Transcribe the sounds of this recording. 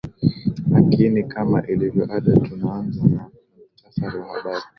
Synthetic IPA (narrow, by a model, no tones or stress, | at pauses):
lakinikʰama̰ʔilivjɔʔaɗatunaanzana | m̩tafaɾiwaha̰ɓaɾi